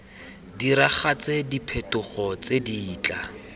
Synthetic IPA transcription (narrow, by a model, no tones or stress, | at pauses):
diɾaχat͡sedipʰetʊχɔt͡sediːt͡ɬa